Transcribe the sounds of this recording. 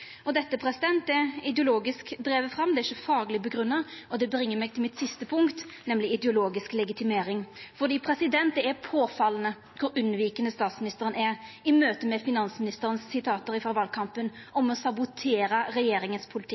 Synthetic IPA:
ɔd̪ɛt̪ːəpʰɾɛsɪd̪ɛnt̪̚d̪ɛɪd̪əʊloːɡɪskd̪ɾeːʋəfɾɑmːd̪ɛɪəfɑːɡlɪbəɡɾʁʉnːɑɔd̪ɛbɾɪŋːəmɛɡ̚t̪ʰɪlmɪt̪sɪst̪əpʰʊŋkt̪nɛmlɪɪd̪ɛʊloːɡɪsklɛɡɪt̪ɪmeːɾɪŋfɔʁd̪iːpʰɾɛsɪd̪ɛnt̪̚d̪ɛɛpʰoːfɑlənə | kʰʊɾʉnʋiːkənəst̪ɑːt̪smɪnɪst̪əɾənæɾ | ɪmøːt̪əmɛfɪnɑnsmɪnɪst̪əɾənssɪt̪ʰɑːt̪əɾɪfɑʋɑlkʰɑmpənʔɔmɔsɑbʊt̪ʰeːɾəɾɛjeːɾɪŋənspʰʊlɪt̪ʰɪ̥

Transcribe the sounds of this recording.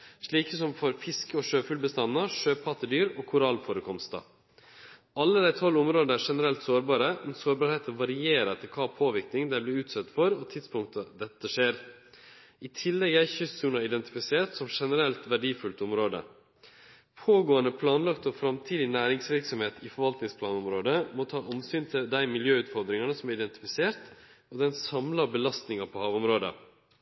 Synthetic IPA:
ʂɭiːkəsɔmfɔɾfɪskəɔʂøːfʉlbəst̪ɑnːɑʂøːpʰɑt̪ːəd̪yːɾoːkʰʊɾɑlfoːɾəkʰɔmst̪ɑ̰ | ɑlːəd̪æɪt̪ʰɔlːʊmɾoːd̪əæːɾʂɛnəɾɛlt̪soːɾbɑːɾəmɛnsoːɾbɑːɾheːt̪əʋɑɾɪeːɾət̪ʰɪlkʰɑːpʰoːʋɪɾknɪŋd̪æɪblɪːɾʉːt̪sɛt̪ːfɔɾɔt̪ʰɪd̪spʰʊŋkt̪əd̪ɛt̪ːəʂeːɾ | ɪt̪ʰɪlːɛɡæçʏssʉːnɑɾɪd̪ɛnt̪ɪ̥fɪseːɾt̪sɔmʂɛnəɾɛlt̪ʋæɖiːfʉlt̪ɔmɾoːd̪ə̰ | pʰoːɡoːənəpʰlɑːnlɑkt̪ɔfɾɑmt̪ʰiːd̪ɪnæːɾɪŋsʋɪɾksɔmheːt̪ɪfɔɾʋɑlt̪nɪŋspʰlɑːnɔmɾoːd̪əmɔt̪ʰɑːʔɔmsyːnt̪ʰɪld̪æɪmɪljøːʉːt̪fɔɾd̪ɾɪŋɑnəsɔmæɾɪd̪ɛnt̪ɪ̥fɪseːɾt̪ɔd̪ɛnsɑmlɑbəlɑst̪nɪŋɑpʰɔhɑːʋɔmɾoːd̪ə̰

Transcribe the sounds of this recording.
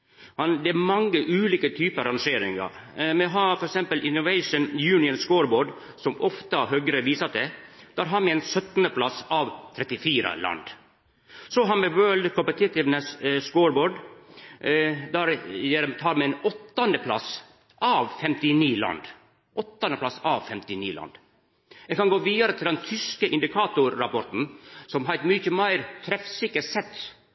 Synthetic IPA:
hɑnd̪ɛæmɑŋːəʔʉːliːkət̪ʰyːpəɾɑnʂeːɾɪŋɑ̰ɾmɛɦɑːɾfɔɾɛksɛmpəlʔɪnːʊʋɛɪʂənjʉːnɪənskoːɾboːɖ | sɔmɔft̪əɦœɡɾəʋiːsət̪ɛd̪̥æɾɦɑɾmɛɛnsœt̪nəpʰlɑsɑʋt̪ʰɾɛt̪ɪfiːɾə̰lɑ̰nd̪ | sɔɦɑnmɛʋœld̪kʰɔmpət̪ʰɪt̪ɪʋnəsskoːɾboːɖ | d̪æːɾjeɾmt̪ʰɑːɾmɛɛnɔt̪ːɑnd̪əpʰlɑ̰s | ʔɑʋfɛmt̪ɪniːlɑ̰nd̪ | ʔɔt̪ːɑnəpʰlɑsɑʋfɛmt̪ɪnḭːlɑ̰nd̪ | jɛɡkɑnɡoːʋiːd̪ɑɾət̪ʰɪld̪ɛnt̪ʰʏskəʔɪnd̪ɪkʰɑːt̪ʊɾːɑpɔɾt̪n̩sɔmɦɑɪt̪mʏçəmæɪɾt̪ʰɾɛfsɪkːəɾsɛt̪ː

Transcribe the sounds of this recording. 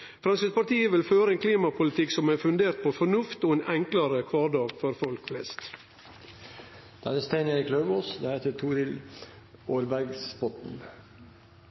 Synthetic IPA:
fɾɑnskət̪pɑɾʈ̪iːəʋɪlføːɾəeːnkʰliːmɑpʰʊlɪt̪ʰɪksɔmæɾfʉnd̪eːɾt̪̚pʰoːfɔnʉft̪oːeːnʔɛŋkləɾəkʰʋɑːɖɑːɡfɔɾfɔlkflɛ̰st̪ | d̪̥æ̰nəst̪eɪnəɾikʰlœʋoːsd̪ɛheːt̪ət̪ʰuːɾɪl | oːɾbæɾɡspɔt̪n̩

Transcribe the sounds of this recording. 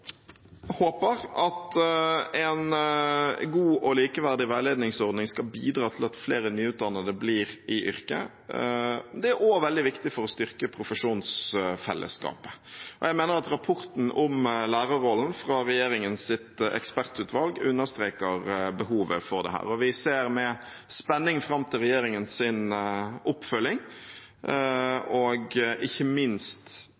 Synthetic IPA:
hoːpəɾɑt̪ | ɛn | ɡuːʔɔliːkəʋæʁd̪ɪʋæɪleːd̪nɪŋsɔʁd̪nɪŋskɑlbiːd̪ɾɑːt̪ʰɪlɑt̪fleːɾənyːʉːt̪̚d̪ɑnːəd̪əbliːɾɪʔʏ̰ɾkə̰ | d̪ɛæɾoːʋɛld̪ɪʋɪkt̪ɪfɔɾɔst̪ʏʁkəpʰɾʊfəʂuːnsfɛ̰lʔə̰skɑ̰ːpə̥ʔɔjæɪmeːnəɾɑt̪ɾɑpʰʊɾt̪n̩ɔmlæːɾəɾɔlːn̩fɾɑɾɛjeːɾɪŋənsɪt̪ɛ̰kspæɾt̪ʉːt̪ʰʋɑlɡʉnːəɾst̪ɾeːkəɾbəɦuːʋəfɔɾd̪ɛ̰hæ̰ːɾɔʋɪseːɾmɛ | spɛnːɪŋfɾɑmːt̪ʰɪlʁɛjeːɾɪŋənsɪnʊpfœlːɪŋ | ɔɡʔɪçːəmɪnst̪

